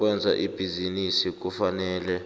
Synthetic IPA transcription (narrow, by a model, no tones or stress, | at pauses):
k̬wɛnd͡zʱa̰ʔib̥ʱizinisik̬ufanɛːlɛ